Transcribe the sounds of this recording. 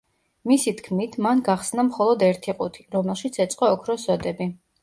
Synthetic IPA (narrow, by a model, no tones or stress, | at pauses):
misit̪ʰkʰmit̪ʰmanɡaχsnamχɔlˠɔd̪ɛɾt̪ʰiqʼut̪ʰiɾɔmɛlˠʃit̪sʰɛt̪sʼqʼɔːkʰɾɔsvɛd̪ɛbi